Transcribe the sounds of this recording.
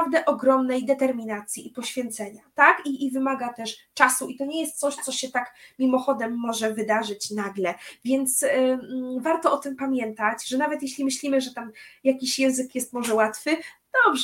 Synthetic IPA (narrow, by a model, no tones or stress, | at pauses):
avd̪ɛʔɔɡɾɔmnɛjd̪ɛt̪ɛɾmʲinat̪sʲjiipɔɕfʲjɛnt̪sɛɲat̪akiːvɘmaɡat̪ɛʂt͡ʂasuit̪ɔɲɛjɛst̪̚sɔɕt̪sɔɕɛt̪akmʲimɔxɔd̪ɛmːɔʐɛvɘd̪aʐɘt͡ɕnaɡlɛvʲjɛnt̪s | vaɾt̪ɔɔt̪ɘmpamʲjɛnt̪at͡ɕʐɛnavɛt̪jeɕlʲimɘɕlʲimɘʐɛt̪amjakʲiɕjɛ̃w̃zɘkjɛst̪mɔʐɛwat̪fɘd̪̥ɔbʐ